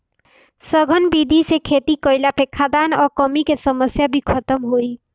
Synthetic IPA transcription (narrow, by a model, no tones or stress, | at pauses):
səɡʱənbid̪ʱisekʰet̪ikəjlapʰekʰːad̪anɔɾkəmikesəməsjabʱikʰət̪əmɦoi